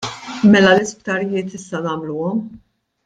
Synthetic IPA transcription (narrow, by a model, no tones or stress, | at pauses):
mɛlɐlɪspt̪ɐɾɪjɪːt̪ɪsːɐnɐːmluːɔm